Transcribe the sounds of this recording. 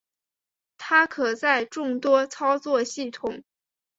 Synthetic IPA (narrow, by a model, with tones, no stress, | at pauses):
t̪ʰa˥kʰɤ˨˩t͡sa˥˧ɪʈ͡ʂʊ˥˩ŋt̪wɔ˥t͡sʰɑ˥ʊt͡swɔ˥˧ɕi˥˩t̪ʰʊ˨˩˦ŋ